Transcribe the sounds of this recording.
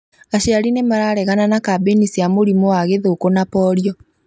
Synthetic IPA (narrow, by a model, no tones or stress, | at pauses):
aɕiaɾinemaɾaːɾɛɣananakabenisiamoɾimɔwaɣeðokonapɔɾiɔ